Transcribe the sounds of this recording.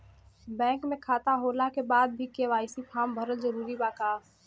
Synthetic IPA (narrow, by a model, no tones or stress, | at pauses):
bɛ̃ːŋkmẽkʰaːt̪aɦoːlakebaːd̪̚bʱikeʋaːɪsipʰaːmbʱəɾəlzəɾuːɾibaːkaː